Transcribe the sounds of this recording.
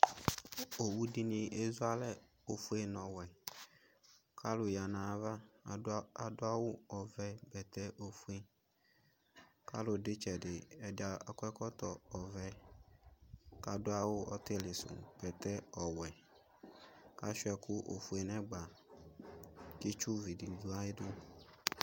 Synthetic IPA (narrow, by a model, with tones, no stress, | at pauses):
o˨wu˦dɪ˦nĩ˨ʔe˦zu˦a˦lɛ˦ | o˨fu˦e˦nɔ̃˨wɛ˨ | kʰa˦lʊ˨ja˨nã˨˦va˦ | a˨dʊ˦a˦wʊ˦ɔ˨vɛ˦bɛ˨t̪ɛ˦ʔo˨fu˦e˦ | ka̰˦lʊ˨dɪ˦t͡ʃɛ˨dɪ˨ɛ˨dɪ˦a˨a˨kɛ˦kɔ˦t̪ɔ˨ɔ˨vɛ˦ | ka˦dʊ˦a˦wʊ˦ɔ˦t̪ɛ˦lɪ˨sʊ̰˨b̥ɛ˨t̪ɛ˦ɔ˨wɛ˨ | ka˦ʃʊ˦ɛ˨kʊ˦ʔo̰˨fe˨nɛ̃˦ɡ͡ba˨ | ki˦t͡ʃu˦vi˨di˨du˦a˦ɪ˦dʊ˦